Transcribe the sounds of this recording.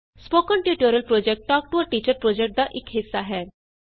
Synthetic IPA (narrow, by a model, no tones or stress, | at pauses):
spoːkəɳʈjuʈoɾjəlpɾod͡ʒek̚ʈːɔːk̚ʈuʋəʈiːt͡ɕəɾpɾod͡ʒek̚ʈ̚d̪aʔɪkɦisːaɦɛː